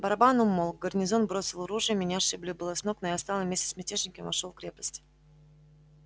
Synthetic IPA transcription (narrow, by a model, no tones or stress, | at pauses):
bəɐɾabanʊmolˠɡərnʲɪzo̞nbɾo̞sʲɪlˠʊɾuʐɨjəmʲɪnʲaʂɨblʲibɨlˠɐsnoknojast̪ɑlˠəvmʲesʲtʲɪ̥sʲːmʲɪtʲeʐnʲɪkʲəmvɐʂolˠkɾʲe̞pə̥sʲtʲ